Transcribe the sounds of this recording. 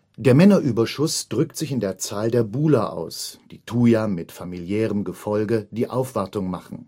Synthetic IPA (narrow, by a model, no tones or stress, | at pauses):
d̥eːɐmɛnɐʔyːbɐʃʊsd̥ʁʏktz̥ɪçɪndeːɐt͡saːldeːɐbuːlɐʔa̰ʊsd̥iːtʰuːjamɪtfamiljɛːʁəmɡəfɔlɡəd̥iːʔaʊfv̥aɐtʊŋmaχn̩